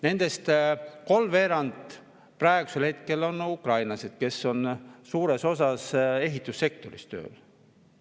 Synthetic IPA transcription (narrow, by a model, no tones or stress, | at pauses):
ne̞nd̪̥e̞st̪ko̞lmve̞ːɾɑnd̪ | præeɡ̥use̞lhe̞t̪ke̞lo̞nukrɑjnlɑse̞d̪̥ke̞sːo̞nsuːɾe̞so̞sɑse̞ɦit̪ːˑusːe̞k̚t̪o̞ɾist̪ø̞̰ːl